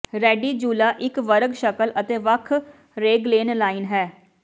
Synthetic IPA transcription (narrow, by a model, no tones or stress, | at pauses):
ɾɛːɖiːd͡ʒuːlaːʔɪkʋəɾəɡʃəkəlʔət̪eːʋəkʰ | ɾeːɡleːnlaːinɦɛː